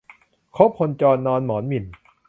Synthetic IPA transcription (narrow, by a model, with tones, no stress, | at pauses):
kʰo˦˥p̚ʰo˧nt͡ɕɔː˧nːɔː˧nmɔː˩˦nmi˨˩n